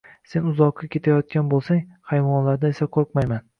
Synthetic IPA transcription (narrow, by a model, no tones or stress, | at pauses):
se̞nʊzɒqːakʲʰe̞t̪ʰajɒt̪̚kʲanbolˠsaŋhajvɒnlaɾd̪ae̞saqʰoɾqmajman